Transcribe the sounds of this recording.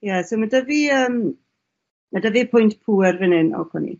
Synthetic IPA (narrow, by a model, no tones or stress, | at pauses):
jɛsowmadəviəːm | madəvipʰʊjntpʰuːɛrvɪnɪnɔ̰kʰɛnḭ